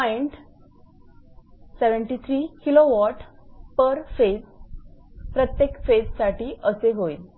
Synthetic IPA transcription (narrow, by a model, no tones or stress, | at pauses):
ajɳʈ | seʋəɳʈit̪ʰɾiːkiloʋɔʈpəɾfe | pɾət̪jekfed͡zsaʈiːʔəseɦoil